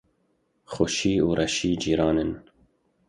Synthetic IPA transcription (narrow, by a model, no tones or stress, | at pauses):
xoʃiːuːɾʔɛʃiːd͡ʒiːɾɑːnɨn